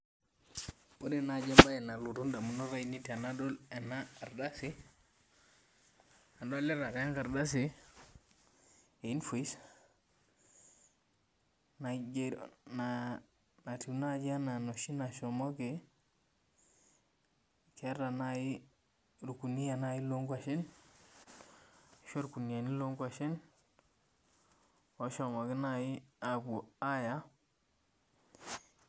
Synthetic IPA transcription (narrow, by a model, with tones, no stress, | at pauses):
b̥o˦de˨na˨d͡ʒa˦mba˦ɛ˨na˨lu˨tu˦nda˨mu˨nɔ˦ɾa˦i˨ni˦ta˨na˦dɔ˦lɛ˨naː˦˨ɾda˦sɪ˦ | a˨ndɔ˦lɛ˦ɾa˨ɾa˦ŋka˨ɾda˦s̬ɪ˨ | e˨i˦nfo˨i˦s | na˨d͡ʒna˨ | na˨ti˨˦na˦d͡ʒa˦na˨nɔ˨ʃi˦na˨ʃɔ˨mɔ˦ke˨˦ | kɛ˨˦ɾa˨na˦i˦ | ɾu˨ku˨ni˦a˨na˦i˦lo˦ŋɡwa˨ʃe˦n˨ | ʃo˦ɾku˨ni˨a˨ni˦lo˦ŋɡwa˨ʃe˦n | ɔ˦ʃɔ˨mɔ˨kɪ˦na˦˨ɪ˦a˨ku˨a˦ja˦